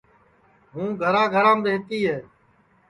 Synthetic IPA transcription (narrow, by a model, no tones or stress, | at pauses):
ɦũːɡʱəɾãːɡʱəɾãːmbeːt̪iːɦɛː